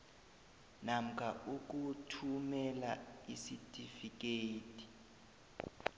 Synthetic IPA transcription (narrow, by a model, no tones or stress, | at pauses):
nam̩kʰauk̬ʼutʰumɛlaisitʼifik̬ʼeːtʰʼi̥